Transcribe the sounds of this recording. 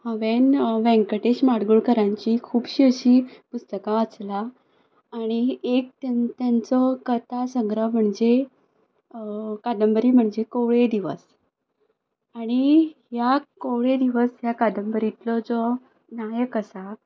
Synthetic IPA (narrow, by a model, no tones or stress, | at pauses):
hə̃ʋenʋɛ̃ŋkəʈeɕmaɽɡuɭkəɾãɲt͡ɕikʰuːbɕiəɕiːpust̪əkãʋat͡slaː | ɽ̃iek̚t̪at̪ant͡sɔkət̪asəŋɡɾəm̤əɳd͡ʑe | kad̪əmbəɾiːm̤əɳd͡zekowɭed̪iʋə̰s | aɽ̃iɦjakowɭed̪iʋəsɦjakad̪əmbəɾit̪lɔd͡zɔ | najəkəsa